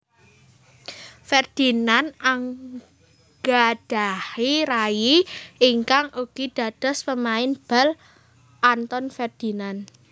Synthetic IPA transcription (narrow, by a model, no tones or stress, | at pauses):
fɛrd̪̥i̤nanaŋ | ɡ̥ad̥ahiɾajiiŋkaŋʔuɡ̥id̪̥ä̤d̪̥ɔ̤spəmaɪnb̥al | ʔant̪ɔnfɛrd̪̥inan